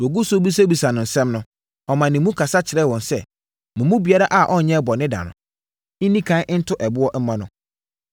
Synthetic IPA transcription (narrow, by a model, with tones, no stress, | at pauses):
wɔ˨ɡu˦so˦bi˦s̬a˦bi˨sa˨nʊ̃˨n̩˨sɛ̃˦mnʊ̃˦ | ɔ˨mã˨nɪ̃˨mːũ˦kʰa˨sa˦t͡ɕʰɪ˨ɾɛ˦˨wɔ̃˨n˨sɛ˦ | mʊ̃˨mũ˦bi˨a˦ɾa˦ʔa˨ʔɔ˦˨ɲɛ̃˦bɔ˨nɪ̃˦da̰˨nʊ̰̃˨ | n̩˦nĩ˦kʰã˦n˦n̩˦tʰʊ˦ʔɛ˨bʊ˦ɔ˦m̩˦mã˦nʊ̃˨˦